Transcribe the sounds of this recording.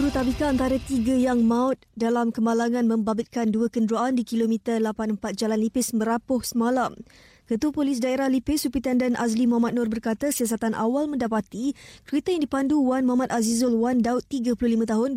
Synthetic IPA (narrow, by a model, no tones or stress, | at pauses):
uɾut̪abikaːnt̪aɾat̪iɡajaŋmaʊt̪̚dalamkəmalaŋãnmə̃mbabɪt̪̚kanduakəndɾuaʔandikilomit̪əlapanəmpat̪̚d͡ʒalanlipɪsmə̃ɾapʊhsəmalam | kət̪uəpolis̬daeɾahlipɪsupit̪andanʔaslimuɦamat̪̚nʊrbərkat̪asias̬at̪anʔa̰walmə̃ndapat̪ikɾit̪ajaŋdipanduwanmuɦamat̪̚azizɔlwandaʊt̪ːiɡapulʊhlimə̃t̪aɦʊn